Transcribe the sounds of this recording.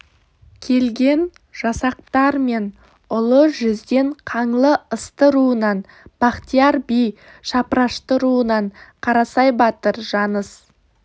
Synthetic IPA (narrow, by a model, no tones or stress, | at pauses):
kʲʰe̞lɡʲe̞n | ʒ̥ɑsɑq̚t̪ɑɾme̞n | ʊlˠəʒʏzd̪e̞ɴqʰɑɴlˠəəst̪əɾuənɑn | b̥ɑqt̪ijɑɾbij | ʃɑpɾɑʃt̪əɾuənɑɴqʰɑɾɑsɑjbɑt̪əɾʒɑnəs